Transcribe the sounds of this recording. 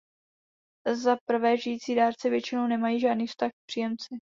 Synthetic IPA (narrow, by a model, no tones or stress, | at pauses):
zapr̩vɛːʒɪjiːt͡siːdaːɾt͡sɛvjɛt͡ʃɪnownɛmajiːʒaːdniːfst̪axk̚pr̥ijɛmt͡sɪ